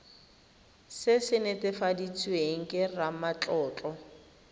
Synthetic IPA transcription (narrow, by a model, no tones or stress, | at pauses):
sɪsɪnɛtʼɛfadit͡sʰʼweŋ̩kʼɪramat͡ɬʼɔːt͡ɬʼɔ